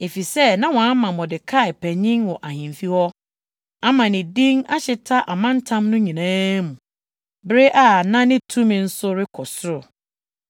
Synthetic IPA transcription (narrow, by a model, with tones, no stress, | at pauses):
e˨fi˨sɛ˦nã˦wɔ̃˨a˦mã˨mɔ̃˨dɪ˨kʰa˦ɪ˨pʰæ˨ɲĩ˦ŋwɔ˨ʔa˨hĩ˨mfi˦hɔ˦ | a˦mã˨nɪ̃˨dĩ˦ŋa˦ɕɪ˨tʰa˦ʔa˨mã˦n̩˦tʰã˦mnʊ̃˦ɲĩ˨nãː˦mũ˨ | bɾɪ˦ʔa˨nã˦nɪ̃˦tʰũ˦mɪ̃˨n̩˦sʊ˦ɾɪ˦kʰɔ˨sʊ˦ɾʊ˨